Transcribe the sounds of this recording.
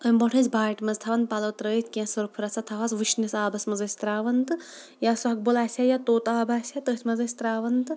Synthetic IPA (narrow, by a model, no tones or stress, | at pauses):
əmʲbɐʈʰɐsʲbaːʈmɐzt̪ʰaʋɐnd̪̚pɐlɐt̪ɾəːt̪ʰʲkʲẽsɐɾpʰuɾɐsɐt̪ʰɐʋazʋɨʃnisaːbɐsmɐzɐsʲt̪ɾaːʋɐnt̪ɨ | jasɐɦɐk̚bolaːsʲajat̪oːt̪aːbaːsʲat̪əːt̪ʲʰmɐzɐsʲt̪ɾaːʋɐnt̪ɨ